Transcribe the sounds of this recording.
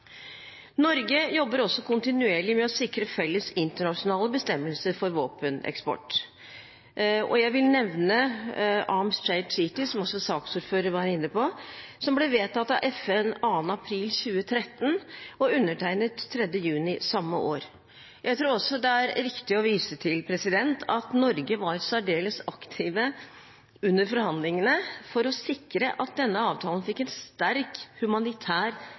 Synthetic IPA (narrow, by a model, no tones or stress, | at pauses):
nɔɾɡəjɔbːəɾɔsːɔkʰʊnt̪ɪnʉeːɭɪmɛɔsɪkɾəfɛlːəsɪnt̪əɳɑʂʊnɑːləbəst̪ɛmːəlsəɾfɔɾʋoːpənɛ̰kspɔ̰ʈː | ɔ̰jæɪʋɪlnɛʋnəʔɑɹmst͡ʃæɪsiːt̪ɪsɔmɔsːɔsɑːksuːɾføːɾəɾʋɑːæɾɪnːəpʰɔsɔmbleːʋeːt̪ʰːɑt̪ːɑʔɛfɛnɑːnɑpʰɾiːlçʉːət̪ʰɾɛt̪ːn̩ɔʉnːəʈʰæɪnət̪ʰːɾɛd̪jəjʉːnɪsɑmːəʔoːɾ | jʔæɪt̪ʰɾuːɾɔsːɔd̪ɛæɾɾɪkt̪ɪɔʋiːsət̪ʰɪlpʰɾɛsɪd̪ɛnt̪ʰɑt̪nɔɾɡəʋɑɾsæɖeːləsɑkt̪ʰɪːʋə | ʉnːəɾfɔɾhɑnd̪lɪŋənəfɔɾɔsɪkːɾəʔɑt̪̚d̪ɛnːəɑːʋt̪ʰɑːlən̩fɪkːɛnst̪æɾkhʉmɑnɪt̪ʰæːɾ